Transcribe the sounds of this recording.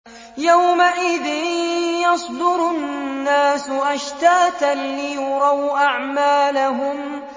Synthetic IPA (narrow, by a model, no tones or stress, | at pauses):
jawmaʔɪðɪnjɑsˤd̪ʊɾʊnnːaːsʊʔaʃt̪aːt̪anlɪjʊɾˤɑwʔaʕmaːlaɦʊm